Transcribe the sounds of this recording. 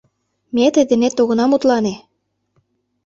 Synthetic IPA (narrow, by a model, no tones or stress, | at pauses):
met̪ed̪ĕnet̪ːoɣɤ̆nɑmut̪lɑne